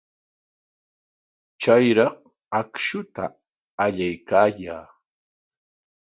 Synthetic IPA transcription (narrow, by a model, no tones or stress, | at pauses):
t͡ʃajɾɑq | akʃʊt̪a̰ː | ʎajkaːjaː